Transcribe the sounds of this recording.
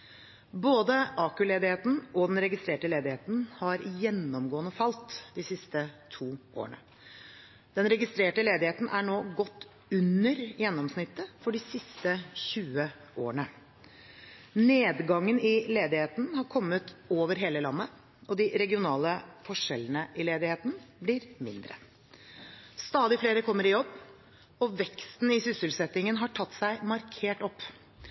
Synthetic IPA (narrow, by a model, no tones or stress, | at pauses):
boːd̪əʔɑːkʉleːd̪ɪheːt̪n̩ɔd̪ɛnɾɛɡɪst̪ɾeːʈəleːd̪ɪheːt̪n̩hɑɾjɛnːɔmɡoːənəfɑlt̪d̪ɪsɪst̪ət̪ʰuːʔo̰ːəɳə̰ | d̪̥ɛnɾɛɡɪst̪ɾeːʈəleːd̪ɪheːt̪n̩ʔæɳoːɡɔt̪ː | ʉnəɾjɛnːɔmsnɪt̪ːəfɔɖɪsɪst̪əçʉːə | ʔoːɳə | neːd̪ɡɑŋːənɪleːd̪ɪheːt̪n̩hɑɾkʰɔmːət̪oːʋəɾɦeːləlɑ̰nːə | ʔɔd̪ɪɾɛɡɪʊnɑːləfɔʂɛlənəʔɪleːd̪ɪheːt̪n̩blɪɾmɪ̰nd̪ɾə̰ | st̪ɑːd̪ɪfleːɾəkʰɔmːəɾɪjɔbː | ɔʋɛkst̪n̩ɪsʏsəlsɛt̪ːɪŋənɦɑʈʰɑt̪ːsæɪmɑɾkʰeːʈɔpː